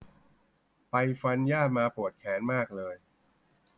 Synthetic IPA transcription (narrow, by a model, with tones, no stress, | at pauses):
pa˧jfa˧njaː˥˩t̪̚maː˧pu˨˩ət̪̚kʰɛː˩˦nmaː˥˩k̚lɤː˧j